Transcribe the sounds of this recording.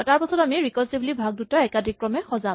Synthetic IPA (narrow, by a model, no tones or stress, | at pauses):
taɹpasɔtamiɹikɔsiblibʱaɡ̚dutɔɛkadʱikːɹɔmɛxɔza